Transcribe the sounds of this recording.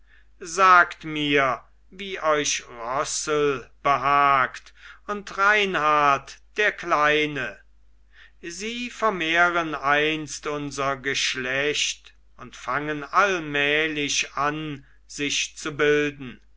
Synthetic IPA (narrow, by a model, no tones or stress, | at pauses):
zaːktmiːɐ | viːʔɔʏʃʁɔsəlb̥əɦaːktʊntʁaɪnhaɐtd̥eːɐklaɪnə | ziːfɛɐmeːʁənaɪnstʊnzɐɡəʃlɛçt | ʊntfaŋənalmɛːlɪɕan | z̥ɪʃt͡subɪldn̩